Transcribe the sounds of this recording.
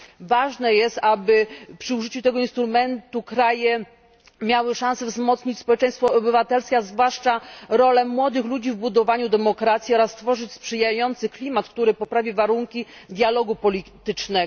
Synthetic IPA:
vaʐnɛjɛst̪abɘpʂɘuʐɘt͡ɕut̪ɛɡɔinst̪ɾumɛnt̪ukɾajɛ | mʲjawɘʂãsɛvzmɔt̪sɲit͡ɕspɔwɛt͡ʂɛj̃st̪fɔːbɘvat̪ɛlskʲɛazvwaʂt͡ʂaɾɔlɛmwɔd̪ɘxlud͡ʑivbud̪ɔvaɲud̪ɛmɔkɾat̪sʲiɔɾasːt̪fɔʐɘt͡ɕspʂɘjajɔnt̪sɘklʲimat̪kt̪uɾɘpɔpɾavʲivaɾuŋkʲid̪ʲjalɔɡupɔlʲit̪ɘt͡ʂnɛ

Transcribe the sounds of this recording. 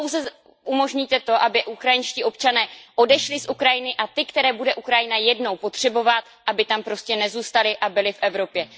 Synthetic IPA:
owzɛ | umo̞ʒɲit̪ɛt̪o̞ʔabɪʔukɾajɪnʃciːʔo̞pt͡ʃanɛːʔo̞dɛʃlɪsʔukɾajɪnɪʔat̪ɪkt̪ɛɾɛːbudɛʔukɾajɪnajɛdno̞wpo̞t̪r̝̥ɛbo̞vat̪ʔabɪt̪ampɾo̞scɛnɛzuːst̪alɪʔabɪlɪfʔɛvɾo̞pjɛ

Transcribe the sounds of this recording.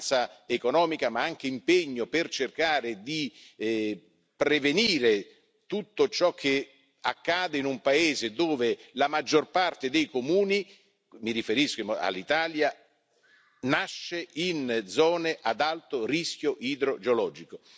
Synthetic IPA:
t̪saekonɔːmikamaaŋk̟eimpeɲːopert͡ʃerkaːɾed̪i | pɾeveniːɾe | t̪ut̪ːot͡ʃɔkʰːe | a̰kːaːd̪einumpaeːzed̪oːvelamad͡ʒːorpart̪ed̪ejkomuːni | miɾifeɾiskoma̰lːit̪aːlja | naʃːeind̪zɔːneʔad̪alt̪oriskjoʔid̪ɾod͡ʒeolɔːd͡ʒiko

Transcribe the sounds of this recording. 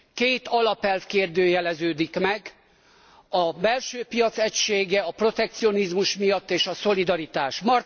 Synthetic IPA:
keːt̪ɒlɒpɛlfkeːrd̪øːjɛlɛzøːd̪ikmɛɡ | ɒbɛlʃøːpijɒt̪sɛcʃeːɡɛɒpro̞t̪ɛk̚t̪sio̞nizmuʃmijɒt̪ːeːʃɒso̞lid̪ɒɾit̪aːʃmɒr

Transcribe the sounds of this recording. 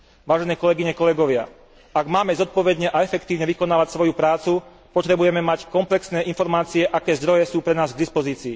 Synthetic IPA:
ʋaːʒɛnɛːkɔlɛɡiɲɛkɔlɛɡɔʋɪa | aɡmaːmɛzɔt̪̚pɔʋɛd̪ɲɛʔaɛfɛkt̪iːʋɲɛʋikɔnaːʋacsʋɔjupɾaːt͡su | pɔt̪ɾɛbujɛmɛmackɔmplɛksnɛːʔinfɔɾmaːt͡siɛʔakɛːzd̪ɾɔjɛsuːpɾɛnaːzɡd̪ispɔziːt͡siː

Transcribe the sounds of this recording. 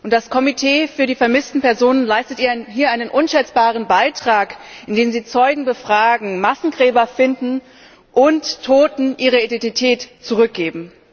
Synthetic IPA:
ʔʊntd̥askʰɔmitʰeːfyːɐdiːfɛɐmɪstn̩pɛɐzoːnənlaɪstətʔiːɐɦiːɐʔaɪnənʔʊnʃɛt͡sb̥aːʁ̞ənbaɪtʁ̥aːkʔɪndeːmziːt͡sɔʏɡŋ̩bəfʁ̥aːɡŋ̩masn̩ɡʁɛːbɐfɪndn̩ | ʔʊntʰːoːtn̩ʔiːʁ̞əidɛntitʰɛːtt͡suʁ̞ʏk̚ɡ̥eːbm̩

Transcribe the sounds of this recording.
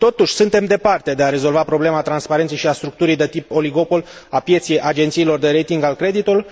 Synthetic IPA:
t̪o̞t̪uʃʲsɨnt̪e̞md̪e̞part̪e̞d̪e̞aɾe̞zo̞lvapɾo̞ble̞mat̪ɾanspaɾe̞nt̪sejʃiast̪ɾuk̚t̪uɾijd̪e̞t̪ipo̞liɡo̞pol | apje̞t̪sijejʔad͡ʒe̞nt̪siːlo̞rd̪e̞ɾe̞jt̪iŋɡalkɾe̞d̪it̪ulu

